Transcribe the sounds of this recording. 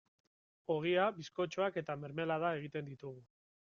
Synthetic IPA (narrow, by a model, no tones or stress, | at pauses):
o̞ɣ̞iaβisko̞t͡ʃoake̞t̪ame̞ɾme̞laðae̞ɣ̞it̪e̞nd̪it̪uɣ̞u